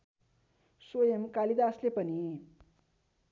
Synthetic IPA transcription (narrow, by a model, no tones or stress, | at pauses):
sojemkalid̪aːslepʌni